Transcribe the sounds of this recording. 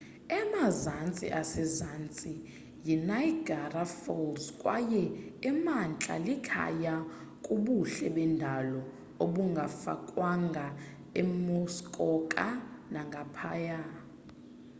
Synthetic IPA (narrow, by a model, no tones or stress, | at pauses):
ɛmazant͡sʼḭʔasɛzant͡sʼi | jinajɡ̥ʱarafɔlzkʼwa̰jɛɛmant͡ɬʼa̰likʰa̰ja | kʼuɓuɬɛɓɛndʱalɔ | oɓuŋɡʱafa̰kʼwaŋɡʱa | ɛmɔskʼɔkʼanaŋɡʱapʰaːja